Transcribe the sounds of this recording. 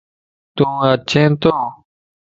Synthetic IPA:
t̪ũːət͡ʃʰẽːnt̪oː

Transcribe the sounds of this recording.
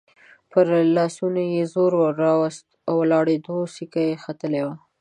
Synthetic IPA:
pəɾlɑsunojezoɾwːɑwast̪awːəlɑɽed̪osikajexat̪əlewa

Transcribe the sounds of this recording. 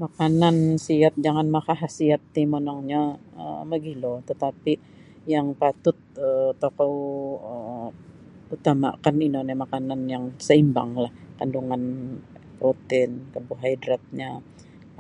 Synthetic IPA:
makanansiat̪̚d͡ʒaŋanmakaɦasiat̪̚t̪imonɔŋɲaə̰məɡilot̪ət̪api | jaŋpat̪ʊt̪̚ət̪ːokowə | ut̪ama̰kaninonɛmakananjaŋsəimba̰ŋlahkanduŋanpot̪ɪnkəbuɦaidɾat̪̚ɲa

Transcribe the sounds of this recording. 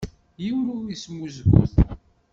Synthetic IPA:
jiwɾuismuzɡṵθ

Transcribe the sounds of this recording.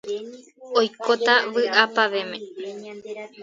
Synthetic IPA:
ojkot̪aʋɨʔapaʋemẽ

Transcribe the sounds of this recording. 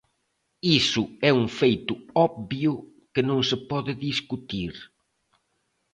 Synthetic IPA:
isʊɛuŋfejt̪ʊɔbbjʊ | kɪnõŋsɪpɔðɪðiskut̪iɾ

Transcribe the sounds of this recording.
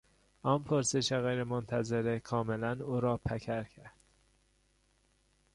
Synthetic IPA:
ɒːnpʰoɾseʃeɣejɾemont̪ʰæzeɾekʰɒːmelænuːɾɒːpʰækʰæɾcʰæɾd̪̥

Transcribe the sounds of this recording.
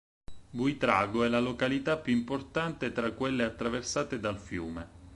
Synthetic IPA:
buit̪ɾa̰ːɡoɛlalokalit̪apjuimport̪ant̪et̪ɾakːwelːeat̪ːɾaversaːt̪ed̪alfjuːme

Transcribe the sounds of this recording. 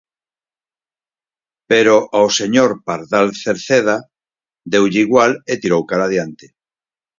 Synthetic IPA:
peɾoʔaoseɲoɾpaɾðalθeɾθeða | d̪ewʎiːɣwalet̪iɾowkaɾað̞jant̪e

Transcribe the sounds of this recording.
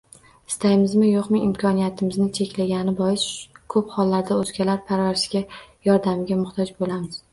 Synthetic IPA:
ɪ̥st̪ʰajɪmɪzmɪjoqmɪɪmkʰɒnijat̪ʰɪmɪznɪt͡ʃʰekʲlaɡʲanɪbɒjɪskʰɵphɒlːaɾd̪aɵzkʲʰalaɾpʰaɾvaɾɪʃɡʲajɒɾd̪amɪɡʲamʊχt̪ʰɒd͡ʒbolamɪz̥

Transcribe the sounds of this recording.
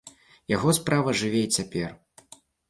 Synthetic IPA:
jaɣɔspɾʔavɐʐɨvʲɛɛt͡sʲapʲɛr

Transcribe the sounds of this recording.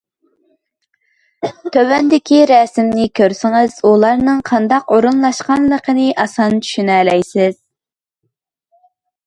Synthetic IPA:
t̪ʰøwɛnd̪ɪkʲʰiɾɛsɪmnɪkʲʰøɾsɪŋɨz̥ulˠɑɾnɨŋqʰɑnd̪ɑqoɾunlˠɑʃqɑnlˠəqʰənɨʔɑsɑnt͡ʃʰy̥ʃynɛlɛjsɪz̥

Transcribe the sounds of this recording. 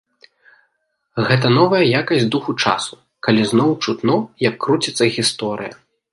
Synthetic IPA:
ɣɛt̪ɐnɔvɐjɐjakɐsʲd̪uxut͡ʂa̰su̥ | kalʲiznɔwt͡ʂut̪nɔjɐkːɾut͡sʲit̪sːɐɣʲist̪ɔɾɨ̰jɐ̰

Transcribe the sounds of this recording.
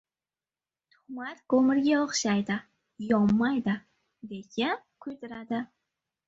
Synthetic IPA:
t̪ʰʊ̥hmat̪komɪɾɡʲaɒχʃajd̪ɪ | jɒmːajd̪ɪ | d̪ekʲʰɪ | kʰʊjt̪ɪɾad̪ɪ

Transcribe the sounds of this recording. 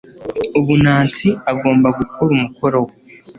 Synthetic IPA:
uβunaːnt͡siaɡo̞ːmbaɡukʰoɾumukoɾowe

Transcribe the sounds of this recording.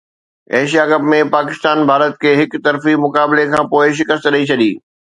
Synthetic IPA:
ɛːʃ̬ijakɐpmẽpaːkɪst̪aːnbʱaːɾət̪kʰeːɦɪkt̪ɐɾfimʊkaːblekʰãːpoːɪʃ̬ɪkəst̪ɗɐit͡ɕʰɐɗiː

